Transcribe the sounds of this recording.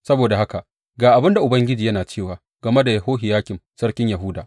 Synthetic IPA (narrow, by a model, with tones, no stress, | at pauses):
sɐ˦boː˨da˨ha˦ka˨ʔ | ɡaː˨ʔa˨bɪ˦nda˨ʔʊ˨bɐ˦ŋɡʲɪ˦d͡ʒiː˨jɐ˦naː˨t͡ʃeː˦˨waː˨ | ɡɐ˨me˦da˨jɐ˨hoː˦ɦɪ˨jaː˦kʲɪ˨msɐ˦ɽkʲɪ˦ɲja˨ɦʊː˦daː˨ʔ